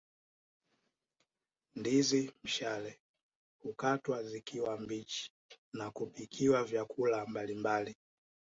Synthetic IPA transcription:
ndizim̩ʃalɛ | hukatwazikʰiwambit͡ʃi̥ | nakupikʰiwavjakʰulambalimbali

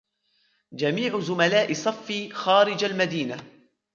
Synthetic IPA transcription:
d͡ʒamiːʕʊzʊmalaːʔɪsˤɑfːiːxaːɾɪd͡ʒalmad̪iːna

